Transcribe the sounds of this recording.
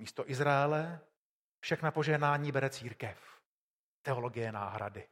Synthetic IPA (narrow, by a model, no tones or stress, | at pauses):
miːst̪o̞ʔɪzɾaɛlɛ | fʃɛxnapoʒɛɦnaːɲiːbɛɾɛt͡siːɾkɛf | t̪ɛo̞lo̞ɡɪjɛna̰ːɦɾa̰dɪ